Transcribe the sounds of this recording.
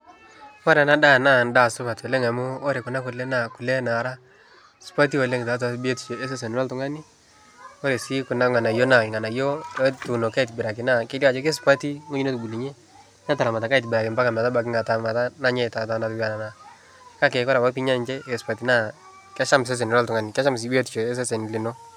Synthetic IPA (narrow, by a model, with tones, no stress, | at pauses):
fa˦ɾɛ˨na˦da˦˨na˦nda˦˨sʊ˦ka˨to˨le˦ŋa˨mʊː˦ɾe˨kʊ˨na˦kʊ˨lɛ˦na˨ku˨lɛ˦na˨ɾa˦ | spa˦t̬i˦o˨le˦ŋta˨˦t̬a˨˦bi˦e˦ti̥˨t͡ʃo˨e˦s̬e˦s̬e˨n˨wa˦ltʊ˨ŋa˦ni˦ | o˦ɾe˨si˦kʊ˨na˦ŋa˨na˨jo˦na˨ŋa˨na˨jo˦tu˨no˨ka˦i˨t̬bɪ˨ɾa˨k̬ɪ˨na˦˨ke˦li˦a˨t͡ʃe˦ke˦spa˦ti˦ŋo˦ɲi˦no˦tu˨bu˨li˨ɲɛ˦ | ɲa˦ta˨la˨ma˨ta˨ka˦i˨tbɪ˨ɾa˨kɪ˨mba˦ka˨m˨a˨ta˦ba˨k̬ɪ˦ŋa˨ta˦ma˨ta˦na˦ɲɛ˦˨ta˨ta˨˦na˨tu˦ba˨na˨na˨ | ka˦k̬ɛ˨kɔ˦ɾwa˦pi˦ɲa˦˨nt͡ʃɛ˦ɛ˨spa˨ti˨˦na˦˨ | kɛ˦ʃa˦mɪs̬ɛ˦s̬ɛ˨n˨ɾa˦ltʊ˨ŋa˦nɪ˨ka˦ʃa˦ms̬i˨bi˦e˦ti˨t͡ʃɔ˨ɛ˦s̬ɛ˦sɛ˨n˨lɪ˨nɔ˦